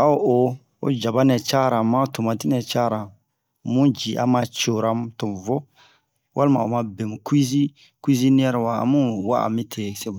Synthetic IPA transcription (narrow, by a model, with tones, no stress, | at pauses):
a˦o˨ʔo˨ | o̰˨d͡ʒa˨ba˦nɛ̃˨t͡ʃa˦ɾã˨mã˦tũ˨mã˨ti˦nɛ̃˨t͡ʃa˦ɾã˨ | mũ˦d͡ʒi˨ʔa̰˦mã˧t͡ʃo˨ɾã˦m˦to˨m˨vo˦ | wʔa˦lmã̰˨o̰˨mã˧be˨mũ˨ku˦i˦zi˦ | ku˦i˦zi˦nĩ˦ɛ˦ɾɛ˨wa̰ː˨˦mũ˦wa̰˦a̰˨mĩ˦tʰe˨se˦bu˨